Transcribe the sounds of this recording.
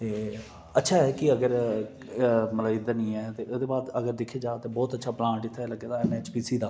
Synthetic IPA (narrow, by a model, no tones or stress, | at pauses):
t̪eː | ətːʃʰaːɦɛːkɪəɡəɾ | məlaɪd̪ənĩːɛːt̪eːʔed̪eːbaːd̪əɡəɾd̪ɪkʰeːd͡ʒaːt̪eːbɔːt̪ətːʃʰaːplãːɳʈɪt̪ʰːaləɡːeːd̪aːɛneːt͡ʃpiːsiːd̪aː